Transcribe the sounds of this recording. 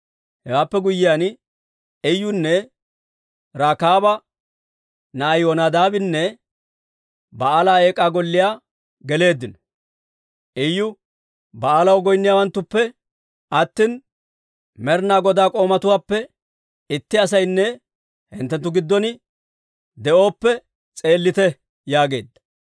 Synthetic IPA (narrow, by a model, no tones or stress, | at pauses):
hɛwaːpːɛɡʊjːɪjan | ɛjːʊnːɛ | ɾaːkaːbɐ | najoːnad̪aːbɪnːɛ | bɐaːlaːeːkʼːaːɡɔlːɪjaː | ɡɛle̞ːd̪ːɪnɔ̥ | ʔɛjːʊ | bɐaːlɐwɡɔjnːɪjaːwɐnt̪ːʊpːɛ | ɐt̪ːin | mɛɾnaːɡɔd̪aːkʼo̞ːmɐt̪ʊwaːpːɛ | ɪt̪ːɪɐs̬ɐjnːɛ | hɪnt̪ːɛnt̪ːʊɡɪd̪ːɔnɪ | d̪ɛʔo̞ːpːɛ | t͡sʼe̞ːlːɪt̪ɛ | jaːɡe̞̰ːd̪ːɐ̥